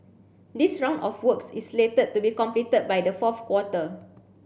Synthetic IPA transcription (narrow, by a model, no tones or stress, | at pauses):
disɹãw̃ndɔfwəksisletəd̚tːubikɔ̃mplitəd̚bajdəfɔfkwɔtə